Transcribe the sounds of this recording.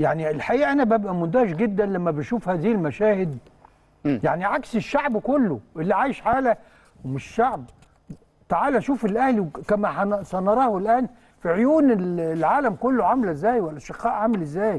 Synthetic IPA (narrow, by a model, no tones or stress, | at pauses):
jaʕnielħaʔiːʔæʔænæbæbʔæmʊnd̪æːʃɡed̪ːænlæmːæbeʃuːfhæːziːlmæʃæːhɪd̪̚ | jaʕniʕakseʃːaʕbkolːoʔelːiʕaːjeʃħaːlæ | wmɪʃʃaʕb̚ | t̪aʕaːlæʃuːfelʔæhliwkæmæħasænɑɾˤɑːhelʔæːn | fiʕojuːnellʕaːlæmkolːoʕamlezːæːjwælːlʔæʃeqːɑːʔʕamelɪzːæːj